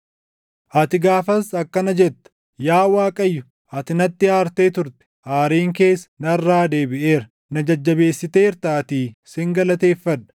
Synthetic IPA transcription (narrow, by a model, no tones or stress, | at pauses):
ʔɐt̪ɪɡaːfɐsɐkːɐnɐd͡ʒɛt̪ːɐ̥ | jaːwaːkʼɐjːʊ | ʔɐt̪ɪnɐt̪ːɪaːɾt̪eːt̪ʊɾt̪ɛ̥ʔaːɾiːŋke̞ːsːɐ̥nɐrːaːd̪e̞ːbɪʔeːɾɐ | nɐd͡ʒɐd͡ʒːɐbe̞ːsːɪt̪e̞ːɪɾt̪aːt̪iːsɪŋɡɐlɐt̪e̞ːfːɐᶑɐ̥